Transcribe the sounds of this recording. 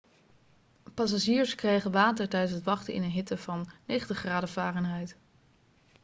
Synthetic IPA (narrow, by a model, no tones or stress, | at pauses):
pɑs̬aʒiːɹskrejχənʋaːtəɹtɛjdənsɦətʋɑχtəɪ̰nənɦɪtəv̥ɑnːejχəntəχraːdəvaːrənɦɛjt